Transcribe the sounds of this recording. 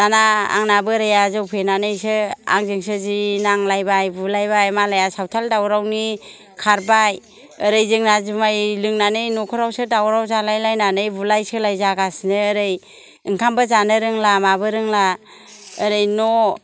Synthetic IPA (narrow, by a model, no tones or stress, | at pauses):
danaa̰ŋnabɯɾajazɯwpʰenanɯjsɯa̰ŋzɯŋsɯzinaŋlajbajbulajbajmalajasawtʰaldawɾawni | kʰaɾbaj | əɾɯjzɯŋnazɯmajlɯŋnanɯjnɔkʰɔɾawsɯdawɾawzalajlajnanɯjbulajsɯlajzaɡasnɯːɾɯj | ɯŋkʰambɯzanɯɾɯŋlamabɯɾɯŋla | əɾɯjnɔ